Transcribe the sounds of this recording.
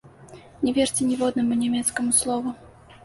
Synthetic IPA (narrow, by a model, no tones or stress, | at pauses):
nʲɛvʲɛrt͡sʲɛnʲɛvɔd̪nɐmunʲɛmʲɛt̪skɐmuslˠɔvʊ